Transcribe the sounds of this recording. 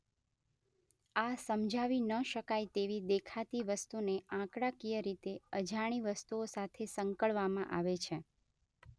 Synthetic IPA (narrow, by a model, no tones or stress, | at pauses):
asəmd͡ʒʱaʋinəʃəkajt̪eʋid̪ekʰat̪iʋəst̪uneãkɽakijəɾit̪eəd͡ʒʱaɽ̃iʋəst̪uosat̪ʰesəŋkəɭʋamãʔaʋet͡ʃʰe